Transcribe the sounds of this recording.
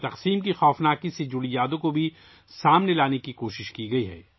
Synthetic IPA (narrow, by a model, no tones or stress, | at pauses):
t̪ɐqsiːmkixɔːfnaːkised͡ʒʊɽijaːd̪õkobʱi | saːmnelaːnekikoːʃɪʃkiɡɐiɦɛ̰ː